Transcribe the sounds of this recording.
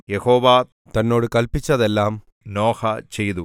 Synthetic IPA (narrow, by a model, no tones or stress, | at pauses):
jɛhoːʋaː | t̪ɐnːoːɽɯkɐlpɪt͡ʃːɐðɛlːaːm | noːxɐt͡ʃɛjðu